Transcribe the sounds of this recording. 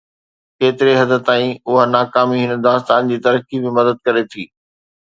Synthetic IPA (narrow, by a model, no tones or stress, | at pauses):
keːt̪ɪɾeɦɐd̪ʱə̆t̪aːĩʊɦanaːkaːmiɦɪnd̪aːst̪aːnd͡ʑiːt̪ɐɾəkimɪ̃mɐd̪əd̪̚kɐɾet̪ʰiː